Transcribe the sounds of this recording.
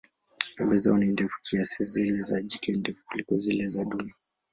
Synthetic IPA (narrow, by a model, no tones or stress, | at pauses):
pɛmbɛzaɔnindɛfu̥kʰiasizilɛzad͡ʒikɛndɛfukulikɔzilɛzaɗuma